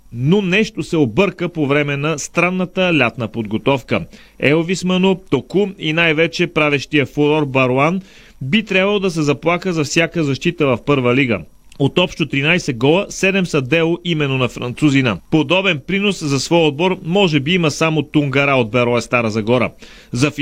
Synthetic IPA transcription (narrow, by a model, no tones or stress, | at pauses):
nonɛʃt̪osɛobɤɾkəpovɾɛmɛnɐst̪ɾanːət̪əlʲat̪nəpod̪ɡot̪ɔfkə | ɛovismənot̪okuinajvɛt͡ʃɛpɾavɛʃt̪ijəfoɾɔɾbɐɾoan | bit̪ɾʲabvɐlˠod̪ɐs̬ɛzɐplˠakəzɐfsʲjakəzɐʃt̪it̪əvɐfpɤɾvəliɡə̰ | ot̪ɔpʃt̪ot̪ɾinajsɛɡɔlˠəsɛd̪ɛmsɐd̪ɛlˠoʔimɛnːonɐfɾɐ̰nt̪suzinɐpod̪ɔbɛnpɾinoszɐsvɔjod̪̚bɔɾmɔʒɛbiiməsamot̪uŋɡɐɾaod̪̚bɛɾɔɛst̪aɾəzɐɡɔɾə̰ | zɐf